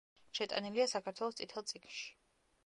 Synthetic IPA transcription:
ʃɛt̪ʼa̰niliasakʰaɾt̪ʰwɛlˠɔst̪sʼit̪ʰɛlˠt̪sʼikʰnʃi̥

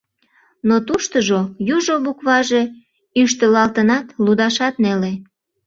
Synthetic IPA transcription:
not̪uʃt̪əʒojuʒoβukβɑʒe | yʃt̪əlɑlt̪ənɑt̪lud̪ɑʃɑt̪nele

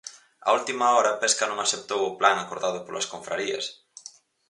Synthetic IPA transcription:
a̰ult̪imaɔɾɐpɛskɐnõŋasep̚t̪owʊplaŋakoɾðaðʊpolɐ̰skoɱfɾaɾiɐ̰s

